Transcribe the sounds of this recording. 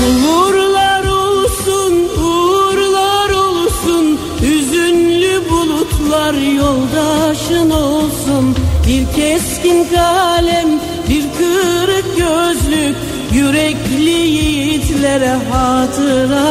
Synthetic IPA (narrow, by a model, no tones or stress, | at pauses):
uluɾlˠaɾo̞lˠsunuɾlˠaɾo̞lˠsun | yzynlʲybulˠut̪ʰlˠaɾjo̞lˠd̪aʃɯno̞lˠsunbiɾcʰɛscinkalʲɛm | biɾkʰɯɾɯk̚ɟøzlʲycʲ | jyɾɛclʲijijit̪ʰlʲeɾɛɦɑːt̪ʰɯɾa